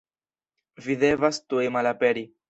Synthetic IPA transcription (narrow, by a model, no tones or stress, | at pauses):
vid̪e̞vastuemalape̞ɾi